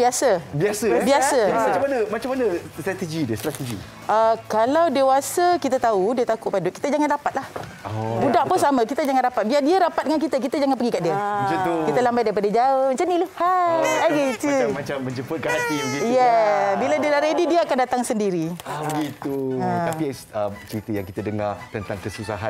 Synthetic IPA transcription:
biasabiasəbiasamat͡ʃamanəmat͡ʃamːanəst̪ɾat̪ed͡ʒidiəst̪ɾat̪ed͡ʒḭ | ʔəkalawdewasakit̪at̪audiat̪akʊʔpadʊʔ̚ki̥t̪ad͡ʒaŋandapat̪̚lahɔbudaʔpʊnsamãkit̪ad͡ʒaŋandapat̪̚biadiaɾapat̪̚dəŋank̬it̪ak̬it̪ad͡ʒaŋanpəɡikaʔdiad͡ʒaukit̪alambajdaɾipadad͡ʒaəmat͡ʃamniləfaaɡet̪umat͡ʃamːəɲd͡ʒəpət̪̚kalat̪iɡijjɛbiladiəlaʔɾedidiaakandat̪aŋsəndiɾibəɡit̪ut̪apiət͡ʃəɾit̪əjaŋkit̪adəŋat̪ənt̪aŋkəsusaɦan

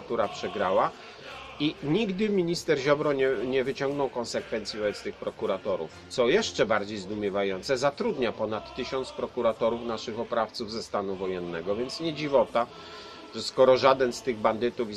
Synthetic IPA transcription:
at̪uɾapʂɛɡɾawa | iɲiɡd̪ɘmʲiɲist̪ɛɾʑɔbɾɔɲɛɲɛvɘt͡ɕɔŋɡnɔwkɔnsɛkfɛnt̪sjivɔbɛt̪st̪ɘxpɾɔkuɾat̪ɔɾṵft̪sɔjɛʂt͡ʂɛbaɾd͡ʑejzd̪umʲjɛvajɔnt̪sɛzat̪ɾud̪ɲapɔnat̪ːɘɕɔnt̪spɾɔkuɾat̪ɔɾufnaʂɘxɔpɾaft̪suvzɛst̪anuvɔjɛnːɛɡɔvʲjɛnt̪sɲɛd͡ʑivɔt̪a | ʐ̥ɛskɔɾɔʐad̪ɛnst̪ɘɣband̪ɘt̪ufi

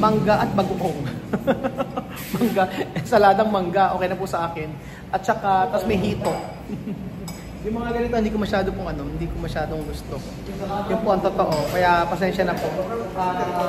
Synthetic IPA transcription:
mɐŋɡaʔɐt̪̚mɐɡʊʔoŋ | mɐŋɡaɛsɐlaːd̪ɐŋmɐŋɡaʔo̞ːkɛjnɐpʊsɐʔaːkɪn | ʔɐt̪̚t͡ʃɐkat̪ɐsmɐjɦiːt̪o̞ʔ | jʊŋmɐŋaɡɐnɪt̪oɪnd̪iːk̬omɐʃaːd̪opʊŋʔɐno̞mhɪnd̪iːkomɐʃaːd̪oŋɡʊst̪o̞ | jʊnpoʔɐŋt̪o̞t̪o̞ʔo̞kɐjapɐsɛnʃɐnɐpo̞ʔ

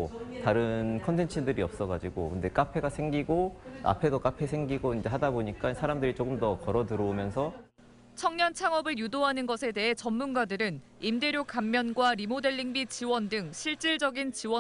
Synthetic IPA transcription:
taɾɯnkʰʌntʰe̞nt͡ɕʰindɯɾiʌp̚s͈ʌɡad͡ʑiɡo̰kɯnde̞k͈apʰe̞ɡasʰe̞ŋɡiɡoa̰pʰe̞dok͈apʰe̞sʰe̞ŋɡiɡoind͡ʑe̞ɦadaboɲik͈ansʰaɾamdɯɾit͡ɕok͈ɯmdʌkʌɾʌdɯɾoumjʌnsʰʌ | t͡ɕʰʌŋɲʌnt͡ɕʰaŋʌbɯɭjudoɦanɯnɡʌsʰe̞de̞ɦe̞t͡ɕʌnmunɡadɯɾɯn | imde̞ɾjok͈amːjʌnɡwaɾimode̞ɭːiŋbit͡ɕiwʌndɯŋɕʰiɭt͡ɕ͈iɭd͡ʑʌɡint͡ɕiwʌ

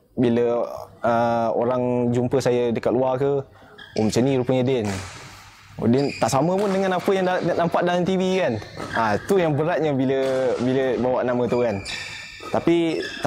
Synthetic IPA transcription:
biləəo̰ɾaŋd͡ʒumpəsajədəkat̪luakə | ʔṵmsəniɾupəɲədɪn | o̰dɪnt̪aʔsaməpʊndəŋanapəjaŋanampaʔ̚dalamt̪ivikanait̪ujaŋbəɾat̪̚ɲəbiləbiləbawaʔnamət̪uan | t̪apit̪

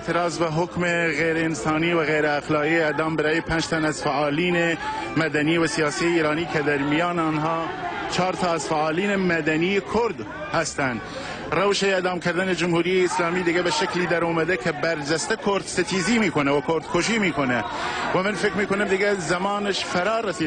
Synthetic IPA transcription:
t̪ʰɨɾɑːzbɪɦʊkmeɣeːɾɛɪnsɑːniːwɪɣejɾɛːxlɑːɣieɛd̪ɑːmbɨɾɑːjepʰɛnd͡ʒt̪ʰɛnɛzfaʔɑːliːnemɐd̪ɐniːwɪsijɑːsijeiːɾɑːniːkʰɛd̪ɐɾmijɑːnɑnɦɑːt͡ʃʰɑːɾt̪ʰɑːæzfaʔɑːliːnemɐd̪ɛnijekʰʊɾd̪ | hæst̪ɛn | rɐwʃeɛd̪ɑːmkʰɪɾd̪ɪned͡ʒʊmhuːɾijeɪslɑːmiːd̪ɪɡɛbɪʃɛkliːd̪ɐɾoːmɛd̪ɛkʰɐbɐɾd͡ʒɛst̪ɛkʰoɾd̪sɪt̪ʰiːziːmiːkʰonɛwɐkʰoɾd̪kʰoʃ̬iːmiːkʰonɛwɛmɨnfɪkɾmiːkʰʊnɨmd̪ɪɡɛzɐmɑːnɪʃfɐɾɑːrɛsiː

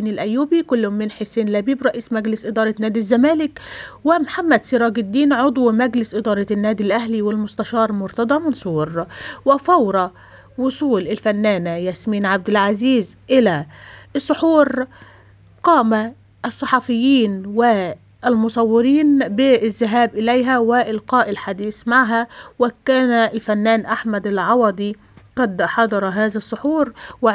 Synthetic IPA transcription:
nɪlʔæjːuːbikʊlːhʊmːɪnħeseːnlæbiːbɾˤɑʔiːsmæɡlɪsʔɪd̪ɑːɾˤɑnːæːd̪izːæmæːlɪkwɪmħamːæd̪siɾˤɑːɡɪd̪ːiːnʕod̪ˤwmæɡlɪsʔɪd̪ɑːɾˤɑnːæːd̪ilʔæhliwɪlmʊst̪æʃɑːɾˤmʊɾt̪ɑd̪ˤɑmɑnsˤuːɾwɪfɑwɾˤɑ | wʊsˤuːlʔɪlfænːæːnjæsmiːnʕab̚d̪ɪlʕaziːzʔɪlæɨsˤːʊħuːɾ | qɑːma | ʔːsˤːɑħɑfɪjːiːnwɪ | ɪlmʊsˤɑwːɪɾiːnbɪzːɪɦæːbʔɪlæjɦæwɪʔɪlqɑːʔɪlħad̪iːsmaʕɦæwɪkæːnalfænːæːnʔaħmad̪ɪlʕɑwɑd̪ˤi | qɑd̪ħɑd̪ˤɑɾˤɑɦæːzasˤːʊħuːɾwɪ

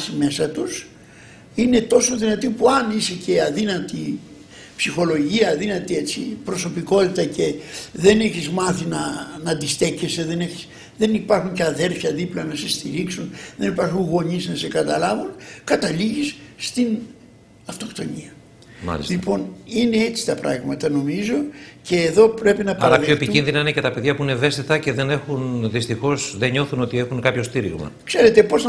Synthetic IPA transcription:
sime̞sɐt̪us | ine̞t̪o̞so̞ðinɐt̪ipuɐnisece̞ɐðinɐt̪i | psixo̞lo̞ʝiɐːðinɐt̪ie̞t͡sḭpɾo̞so̞piko̞t̪it̪ɐce̞ðe̞ne̞çizmɐθinɐnɐd̪ist̪e̞ce̞seðe̞ne̞çi̥s | ðe̞nipɐɾxuɲceɐðe̞ɾfçɐðiplɐnɐse̞st̪iɾiksunðe̞nipɐɾxunɣo̞ɲiznɐsekɐt̪ɐlɐvunkɐt̪ɐliʝisːt̪in | ɐft̪o̞kt̪o̞ɲiɐ | mɐ̰lḭslipo̞nine̞et͡si̥t̪ɐpɾɐ̰ɣmɐt̪ɐno̞mizonce̞ːðo̞pɾe̞pinɐpɐlɐðioepiinðinɐinecet̪ɐpe̞ðʝɐpuineve̞st̪it̪ɐce̞ðe̞ne̞xunðist̪ixo̞sðeɲo̞θuno̞t̪ie̞xunkapço̞st̪iɾḭɣmɐ̰kse̞ɾe̞t̪e̞po̞s

